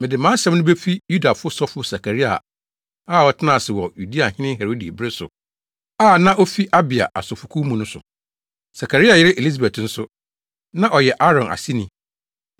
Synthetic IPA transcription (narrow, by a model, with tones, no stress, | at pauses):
mɪ̃˨dɪ˨mã˦ɕɛ̃˦m˦nʊ̃˦be˦fi˦ju˦da˨fʊ˦ʊ˦sɔ˦fʊ˦sa˨kʰa˨ɾi˦a̰˨ | aː˦˨ɔ˦tʰɪ˦nã˦˨sɪ˨wɔ˨ju˨di˦a˨hɪ̃˦nɪ̃˦ɦɛ˨ɾo˦di˨bɪ˦ɾɪ˦sʊ̰˨ | aː˦˨nã˦ʔo˦fi˦ʔa˦bɪ˨a̰˨ʔa̰˨sɔ˨fʊ˨kʰu˦mũ˨nʊ̃˦sʊ̰˨ | sa˨kʰa˨ɾi˦a˨jɪ˦ɾɪ˦ʔe˨i˦s̬a˨bɛ˨tn̩˦sʊ˦ | nã˦ʔɔ˨jɛ˨ʔa˦ɾɔ̃˨nʔa̰˨si˦nĩ˨